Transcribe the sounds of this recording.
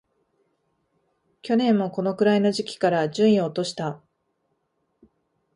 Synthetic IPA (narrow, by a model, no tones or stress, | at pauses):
kʲo̞nẽ̞mːo̞ko̞no̞kɯ̟ɾaino̞ʑikʲi̥kaɾad͡ʑɨ̃ɰ̃ĩoːt̪o̞ɕi̥t̪a